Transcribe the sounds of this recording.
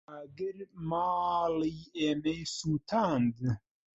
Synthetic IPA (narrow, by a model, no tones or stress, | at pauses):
aɡəɾmaːliːeːmejsuːt̪ʰaːnd̪ɨ